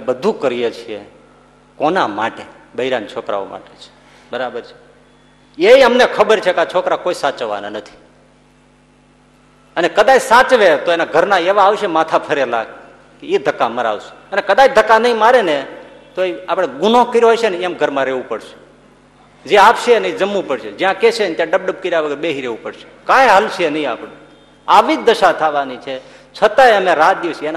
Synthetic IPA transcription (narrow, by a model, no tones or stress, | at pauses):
ebəd̪ʱũkəɾijet͡ʃʰiḛ | konama̰ʈe | bəiɾant͡ʃʰokɾa̰ʋo̰ma̰ʈet͡ʃʰe̥ | bəɾabəɾt͡ʃʰe̥ | eiəmnekʰəbəɾt͡ʃʰekat͡ʃʰokɾakoisat͡ʃʋa̰na̰nət̪ʰi̥ | ənekəd̪at͡ʃsat͡ʃʋet̪oenaɡʱəɾnãeʋaːʋʃemat̪ʰapʰəɾela | keid̪ʱəkːaməɾa̰ʋsũ̥ənekəd̪at͡ʃd̪ʱəkːanəɦĩmaɾene | t̪oeapɽ̃eɡʊnõkəɾjoɦoʃeneamɡʱəɾmãɾeʋũpəɽʃe̥ | d͡ʒjãaʋʃeənid͡ʒəmːũpəɽʃed͡ʒjãkeʃent̪jãɖəb̚ɖəb̚kəɾiaʋəɡəɾbeɦiɾeʋupəɽʃe̥kãeɦəlʃenəɦĩa̰pɽe | aʋid͡ʒ̚d̪əʃat̪ʰaʋanit͡ʃʰe | t͡ʃʰət̪aeəmẽɾat̪̚d̪iʋseena